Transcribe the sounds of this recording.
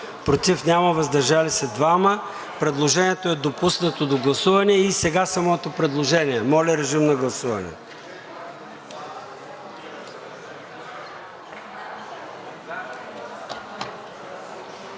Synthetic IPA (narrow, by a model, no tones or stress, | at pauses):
pɾot̪ifnʲaməvɐzd̪ɐɾʒalisɛd̪vamə | pɾɛd̪lˠoʒɛnʲiɛt̪oɛd̪opusnɐt̪od̪oɡlˠɐsuvɐnɛɛisɛɡasɐmɔt̪opɾɛd̪lˠoʒɛnʲiɛmɔlʲɛɾɛʒimnɐɡlˠɐsuvɐnɛ̰